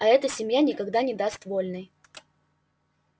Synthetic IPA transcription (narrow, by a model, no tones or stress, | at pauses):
ɐɛt̪əsʲɪmʲjanʲɪkɐɡd̪anʲɪd̪ast̪volʲnɨj